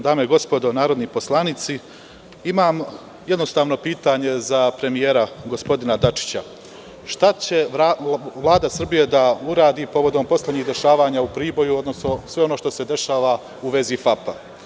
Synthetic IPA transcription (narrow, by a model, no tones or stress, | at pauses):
d̪aːmeɡo̞spo̞d̪o̞naːɾo̞d̪nipo̞slˠanit̪si | imaːm | je̞d̪no̞st̪aːʋno̞piːt̪aɲe̞zapɾe̞mijeːɾaɡo̞spo̞d̪inad̪at͡ʃi̥t͡ɕa | ʃt̪at͡ɕe̞ | ʋlˠaːd̪asr̩bije̞d̪auɾaːd̪ipo̞ʋo̞d̪ompo̞sleɲiːɣd̪e̞ʃaːʋaːɲaupɾiːbo̞juo̞d̪nosno̞sʋe̞o̞no̞ʃt̪o̞se̞d̪e̞ʃaːʋa | uʋe̞zifapa̰